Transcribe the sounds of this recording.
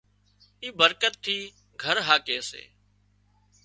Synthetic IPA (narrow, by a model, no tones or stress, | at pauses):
iːbəɾkət̪̚t̪ʰːiː | ɡʱəɾɦaːkeːsḛː